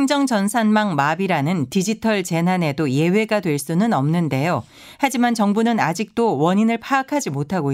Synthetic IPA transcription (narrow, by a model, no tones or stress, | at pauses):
ŋd͡ʑʌŋt͡ɕʌnsʰanmaŋmabiɾanɯntid͡ʑitʰʌɭt͡ɕe̞nɦane̞doje̞we̞ɡadwe̞ɭs͈unɯnʌmnɯnde̞jo | had͡ʑimant͡ɕʌŋbunɯnad͡ʑik̚t͈owʌɲinɯɭpʰaːkʰad͡ʑimotʰaɡo